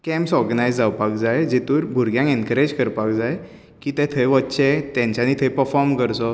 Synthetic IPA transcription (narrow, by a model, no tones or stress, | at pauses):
kɛ̃mpsɔɾɡənajd͡zd͡zawpakd͡zajed͡ʑet̪uːɾbʱuɾɡjãŋkenkəɾed͡ʑkəɾpakd͡zaj | kiːt̪ẽt̪ʰeʋətːɕet̪jãɲt͡ɕanit̪ʰepəfɔɾmkəɾsɔ